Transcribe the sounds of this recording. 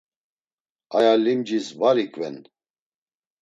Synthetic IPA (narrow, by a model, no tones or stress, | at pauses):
ajalimd͡ʒisvaɾikʼvɛ̰n